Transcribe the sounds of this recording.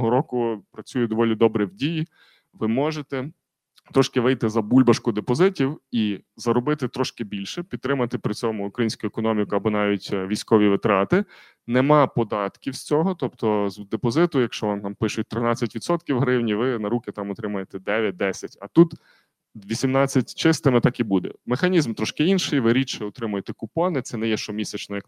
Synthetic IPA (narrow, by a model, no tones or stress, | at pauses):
ɦɔɾɔkʊpɾɐt͡sʲujɛd̪ɔʋɔlʲid̪ɔbɾɛwdʲiji | ʋɪmɔʒet̪ɛ | t̪ɾɔʃkɪʋɪjt̪ɪzɐbulʲbɐʃkʊd̪epɔzɪtʲiwizɐɾɔbɪt̪ɪt̪ɾɔʃkɪbʲilʲʃɛpʲit̪t̪ːɾɪmɐt̪ɪpɾɪt͡sʲɔmʊʊkɾɐjinʲsʲkʊjʊɛkɔnɔmʲikʊɐbɔnɑʋʲitʲʋʲijsʲkɔʋʲiʋɪt̪ɾɑt̪ɪ | nemɑpɔd̪ɑt̪kʲiwsʲt͡sʲɔɦɔt̪ɔpt̪ɔzd̪epɔzɪt̪ʊjɐkʃt͡ʃɔʋɔnt̪ɑmpɪʃʊt̚ʲt̪ɾɪnɑt͡sʲɐtʲʋʲid̪sɔt̪kʲiwɦɾɪwnʲiʋɪnɐɾukɪt̪ɑmɔt̪ɾɪmɐjet̪ɛd̪ɛʋʲjɐt̚d̪ɛsʲɐtʲɐt̪ut̪ | ʋʲisʲimnɑt͡sʲːɐtʲt͡ʃɪst̪ɪmɪt̪ɑkibud̪ɛ̰mexɐnʲizmt̪ɾɔʃkɪinʃɪjʋɪɾʲit͡ʃɛɔt̪ɾɪmʊjet̪ɛkʊpɔnɪt̪sɛnɛjɛʃt͡ʃɔmʲisʲɛt͡ʃnɔjɐk